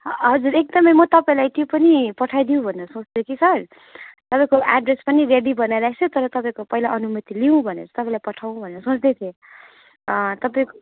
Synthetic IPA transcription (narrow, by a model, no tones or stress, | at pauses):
ɦʌd͡zuɾek̚d̪ʌmʌjmʌt̪ʌpaĩlajt̪jopʌnipʌʈʰajd̪iũbʱʌneɾʌsõt͡sd̪ekʰisʰʌr | t̪ʌpaĩkoʔa̰ɖrespʌnireɽibʌnajɾakʰt͡sʰot̪ʌɾʌt̪ʌpaĩkopʌɦilaʔʌnumʌt̪iliũbʱʌnḛʌt͡sʰʌ̥t̪ʌpaĩlajpʌʈʰawũbʱʌneɾʌsõt͡sd̪et̪ʰe | t̪ʌpaĩko